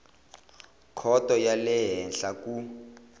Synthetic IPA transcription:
kʰɔtʼɔjalɛɦɛnɬakʼu

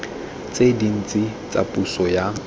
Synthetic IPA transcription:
t͡sʼedin̩t͡sʼɪt͡sʼa̰pʼusɔja

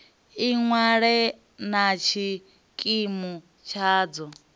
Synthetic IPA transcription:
iŋwaɺɛ | nat͡ʃʰi | kʼimu | t͡ʃʰaːd͡zɔ

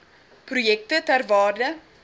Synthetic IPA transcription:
prujɛk̚tətærvɑːrdə

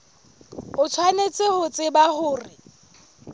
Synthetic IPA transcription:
ʊt͡sʰwanet͡sʼehʊt͡sʼɪbahʊːrɪ

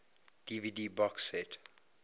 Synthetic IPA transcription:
d̥ividiːbɔksɛt

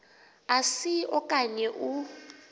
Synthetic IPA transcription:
asiɔkʼaɲɛʔu

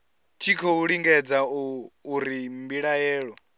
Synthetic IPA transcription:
tʰikʰɔuɺiŋɡɛd͡zauːɾimbiɺajɛːɺɔ

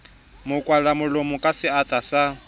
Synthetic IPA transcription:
mʊkʼwalamʊlomʊkʼasɪatʼasa

